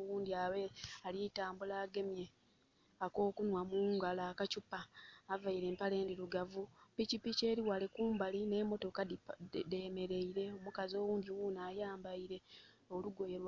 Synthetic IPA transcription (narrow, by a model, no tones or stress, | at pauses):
wuːndiawealitaːmbulaːɡe̞mje̞ | ako̞ːkunwamuːŋɡalaːkacupaːvaiɾe̞ːmpale̞ːndiɾuɡavupicipice̞ːɾiwalekuːmbaline̞mo̞to̞kademe̞ɾe̞iɾe̞o̞mukazo̞ːwuːɲɟiwunaːjaːmbaiɾe̞ | oluɡo̞jeɾw